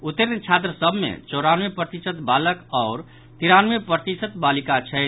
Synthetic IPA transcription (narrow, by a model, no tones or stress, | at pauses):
ut̪ːəɾnt͡ʃʰat̪̬ɾəsəbʱmḛt͡ʃɔʊɾanʋepɾət̪isət̪baləkaʊɾ | t̪iɾanʋepɾət̪isət̪balikat͡ʃʰɛ